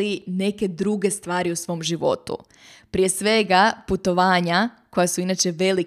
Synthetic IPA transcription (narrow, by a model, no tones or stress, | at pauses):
ine̞ke̞d̪ɾuɡe̞st̪ʋaːɾiusʋo̞ːmʒiʋo̞̰t̪ṵ | pɾie̞sʋe̞ɡaput̪o̞ʋaːɲako̞jasuinaːt͡ʃe̞ʋe̞li